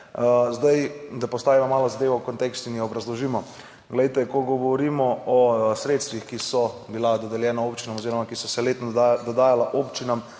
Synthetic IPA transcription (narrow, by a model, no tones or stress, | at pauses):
zd̪ajd̪apɔst̪aːʋimɔmaːlɔzad̪eːʋaukont̪ekst̪uinjiɔbɾazlɔʒiːmɔ | ɡlɛjt̪ɛkɔɡɔʋɔɾimɔɔsɾeːt̪st̪ʋixkisɔbilad̪ɔd̪ɛljɛːnaoːpt͡ʃinamoziɾɔmakisɔsɛleːt̪nd̪ɔd̪aːjalaʔopt͡ʃinam